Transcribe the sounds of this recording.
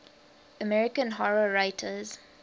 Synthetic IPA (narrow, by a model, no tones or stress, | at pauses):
əmɛɹɪkə̃nɦɔɹəɹaɪtʰəz